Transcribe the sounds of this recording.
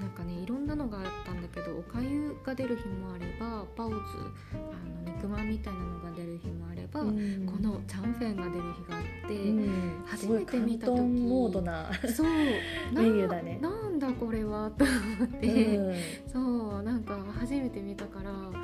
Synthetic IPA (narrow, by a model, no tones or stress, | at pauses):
nãŋkane̞iɾõ̞nːano̞ɡaːt̪ːãnd̪ake̞d̪o̞ʔːkajɯɡ̥ad̪e̞ɾɯ̟çimo̞aɾe̞babaɯt͡sɨ̰ | ano̞ɲikɯ̟mãmʲːit̪ainano̞ɡad̪e̞ɾɯ̟çimo̞aɾe̞̰bako̞no̞t͡ɕãɰ̃ɸẽŋɡad̪e̞ɾɯ̟çiɡaːt̪ːe̞haʑsime̞k̪emʲit̪aooioːd̪onaso̞ːnaejɯd̪anenãnd̪ako̞ɾe̞βat̪omot̪ːe | so̞ːnãŋkahaʑime̞t̪e̞mʲit̪akaɾa